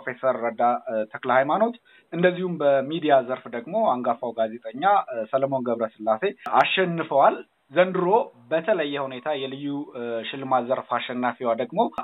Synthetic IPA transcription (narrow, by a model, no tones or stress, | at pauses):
ofe̞səɾːəd̪at̪ʰəklhajmano̞t̪ | ɨnd̪əzːihumbəmid̪ijazəɾfd̪əɡmo̞aŋɡafawɡaze̞t̪ʼəɲːasələmo̞nɡəβɾəsɨlːase̞aʃːɛnːɨfəwal | zənd̪ɨɾo̞bət̪ʰələjːɛhune̞t̪ʰajɛlɨjːuʃɪlːɨmazəɾfaʃːɛnːafewad̪əɡmo̞